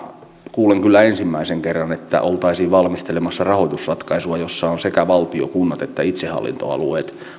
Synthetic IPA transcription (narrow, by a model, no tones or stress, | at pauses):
kuːleŋkylːæensimːæiseŋkerːɑnet̪ːæ̰ʔolt̪ɑisiːʋʋɑlmist̪elemɑsːɑrɑhoit̪usrɑt̪kɑisuɑjosːɑonsekæʋɑlt̪io̰kunːɑt̪et̪ːæit̪sehˑɑ̰lːḭnt̪o̰ɑ̰lṵeːt̪